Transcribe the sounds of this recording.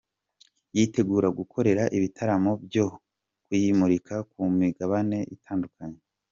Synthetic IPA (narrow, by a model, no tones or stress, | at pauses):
jite̞ɡuːɾaɡukʰo̞ɾe̞ɾaʔiβitʰaɾamo̞bjo̞ | kujimuɾikakumiɡaβane̞ʔḭtʰaːndukaɲe